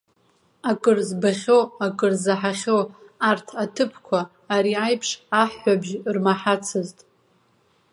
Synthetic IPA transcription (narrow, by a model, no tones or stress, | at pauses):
akʼɨrzbaχʲoakʼɨrzaħaχʲowartʰatʰɨpʰkʷʰaː | ɾiajpʰʂaħːʷabʒrmaħat͡sʰɨztʼ